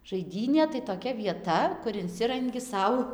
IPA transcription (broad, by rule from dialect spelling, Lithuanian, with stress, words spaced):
ʒɐɪˈdʲiːnʲeː tɐɪ toːˈkʲɛ ʋʲiɛˈtɐ kʊr ɪnʲˈsʲɪrɐŋʲɡʲɪ ˈsɐʊ